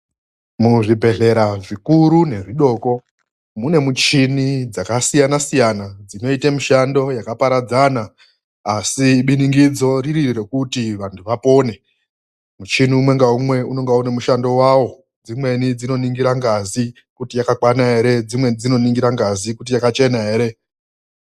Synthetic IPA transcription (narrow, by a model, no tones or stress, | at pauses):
muʐibʱe̞ɮe̞ɾaʐikuɾune̞ʐiɗo̞ːko̞ | mune̞mut͡ʃinid͡zakasijanasijanad͡zino̞itamuʃando̞jakapaɾad͡zanaː | siɓiniŋɡid͡zo̞ririre̞kutiʋantʰuʋapo̞ːne̞ | mut͡ʃiniumwe̞ŋɡaumwe̞uno̞ŋɡaune̞muʃando̞wawo̞ | d͡zimwe̞nid͡zino̞niŋɡiɾaŋɡazi | kutijakakwanaɦe̞ɾe̞d͡zimwe̞nid͡zino̞niŋɡiɾaŋɡazikut̬ijakat͡ʃe̞nae̞ːɾe̞